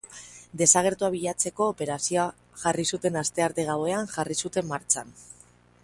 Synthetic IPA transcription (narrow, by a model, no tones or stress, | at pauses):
d̪e̞saɣ̞e̞ɾt̪uaβ̞iʎat͡se̞ko̞ːpe̞ɾasioa | ʝarisut̪e̞nast̪e̞aɾt̪eɣawe̞aŋʝarisut̪e̞mːaɾt͡ʃan